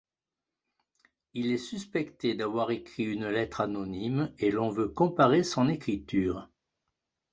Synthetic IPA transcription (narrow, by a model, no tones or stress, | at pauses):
ilɛsyspɛkt̪ed̪avwaʁekχiynlɛt̪χanɔnimelɔ̃vøkɔ̃paʁesɔ̃nekχit̪yːʁ